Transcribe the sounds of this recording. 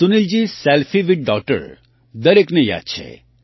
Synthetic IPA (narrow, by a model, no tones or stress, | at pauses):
sunild͡ʒisɛlfʰiʋiʈ̚ɖɔk̚ʈə̰ɾ | d̪əɾekneja̰ːd̪̚t͡ʃʰḛ